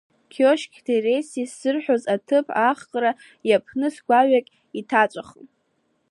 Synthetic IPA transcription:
kʲʰoʃkʲʰdere̞sisɨrħʷozatʰɨpʰaχqʼra | japʰnɨsɡʷaɥakʲʼ | itʰat͡ʃʷʼaχ

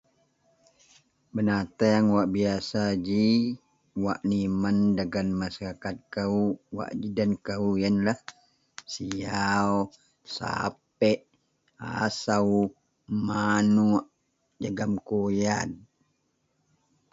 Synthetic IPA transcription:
bənat̪ajaŋwaʔbiasad͡ʒi | waʔnimandaɡanmasaɾakat̪̚kauwa̰ʔd͡ʒidankaujənlah | siaw | sa̰p̚ɛʔ | a̰saw | manuʔ | d͡ʒəɡamkojad̚

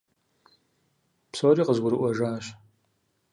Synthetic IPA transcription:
psoːɾiːqəzɡʷʊɾɨʔʷɔʒaːɕ

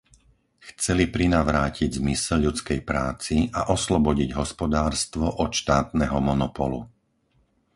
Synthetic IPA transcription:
xt͡sɛlipɾinaʋɾaːciɟzmisɛlʎːut͡skɛjpɾaːt͡siʔaʔɔslɔbɔɟiɟɦɔspɔd̪aːɾst̪ʋɔʔɔt̪ʃt̪aːt̪nɛɦɔmɔnɔpɔ̰lṵ

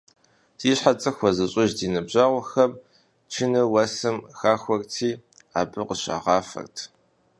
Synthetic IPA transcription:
d̥iːɕħat͡sʼɨxʷɔzɨɕʼɪʒdiːnɨbʑaːʁʷɔxɐm | t͡ʃʰɪnɨwɐsɨmxaːxʷɔrtʰiː | a̰ːbɨqəɕa̰ʁɑːfɐ̰rtʰ

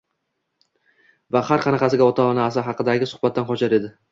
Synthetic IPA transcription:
vahaɾqʰɑnɑqɑsɪɡʲaɒt̪ʰalnaːs̬ɪɦɑqɨd̪aɡʲɪsʊhbat̪ːanqɒt͡ʃaɾe̞d̪ɪ

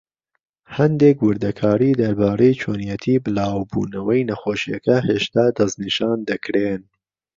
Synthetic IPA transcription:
hɐnd̪ekwɨɾd̪ɐkʰɑːɾiːd̪ɐɾbɑːɾɐjt͡ʃʰoːnijɛt̪ʰiːbɨlaːwbṵːnɐwɐjnɐxoːʃijɐkɐheːʃt̪ɑːd̪ɐzniʃɑːnd̪ɐkɾen

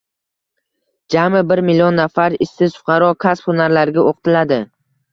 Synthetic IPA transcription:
d͡ʒamɪbɪɾmɪliɒnːafaɾɪsːɪzfʊ̥qʰɑɾɒkʰaspχʰʊnaɾlaɾɡʲaʔoqt̪ʰɪlad̪ɪ

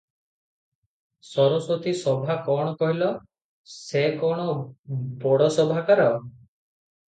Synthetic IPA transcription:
sɔɾɔsɔt̪isɔbʱakɔɽ̃ɔkɔɦilɔ | sekɔɽ̃ɔbɔɽɔsɔbʱakaɾɔ

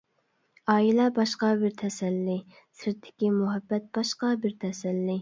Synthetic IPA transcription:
ɑːilɛbɑʃqɑbɪɾt̪ʰɛsɛlːi | sɪɾt̪ʰːɪ̥kʲimʊɦɛbːɛt̪̚b̥ɑʃqɑbɪɾt̪ʰɛsɛlːi

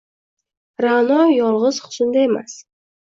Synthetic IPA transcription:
ɾanɒjɒlˠʁɨz̥χʊ̥sʊnd̪ae̞ma̰s

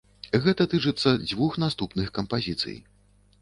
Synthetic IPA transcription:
ɣɛt̪ɐt̪ɨt͡ʂɨt̪sːɐd͡zʲvuxnast̪upnɨxkɐmpazʲit̪sɨ̰j

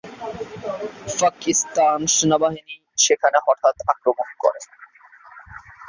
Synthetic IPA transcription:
pakist̪anʃenabaɦini | ʃekʰanehɔʈʰat̪akɾomonkɔ̰ɾe

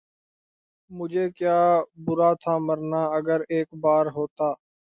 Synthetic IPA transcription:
mʊd͡ʒʱeːkjaːbʊɾaːt̪ʰaːməɾnaːəɡəɾeːkbaːɾɦoːt̪aː

